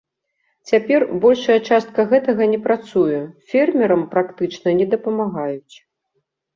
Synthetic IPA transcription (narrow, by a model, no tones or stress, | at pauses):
t͡sʲapʲɛrbɔlʲʂɐjɐt͡ʂast̪̚kɐɣɛt̪ɐɣɐnʲɛpɾat̪sujɛfʲɛrmʲɛɾɐmpɾakt̪ɨt͡ʂnɐnʲɛd̪ɐpɐmaɣajut͡sʲ